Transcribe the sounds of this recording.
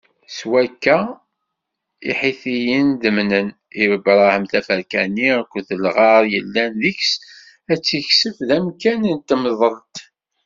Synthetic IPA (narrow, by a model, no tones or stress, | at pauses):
swækːæ | ḭħiθijənd̪əmnən | iɾəbɾˤɑhəmθæfəɾkænikʷːðəlʁɑɾˤjəlːænðiks | æt͡sːiçsəfðæmkænnt̪ːməðˤəɾt̪